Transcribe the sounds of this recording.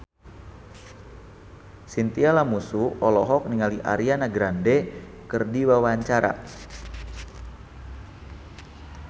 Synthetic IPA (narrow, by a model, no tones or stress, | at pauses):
sint̪ialamusuɔlɔɦɔk̚niŋaliʔa̰ɾianaɡɾandɛ | kərdiwawaɲt͡ʃaɾa̰